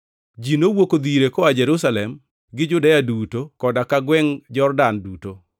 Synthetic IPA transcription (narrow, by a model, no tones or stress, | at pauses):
d͡ʒinowokod̪iɾekɔad͡ʒɛɾusalɛm | ɡɪd͡ʒʊdajadutokɔdakaɡwɛŋd͡ʒɔrdanduto